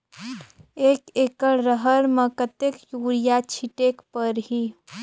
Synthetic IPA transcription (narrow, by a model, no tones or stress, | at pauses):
eːkeːkəɽɾəɦəɾməkət̪ekjuːɾijat͡ʃʰiʈekpəɾɦi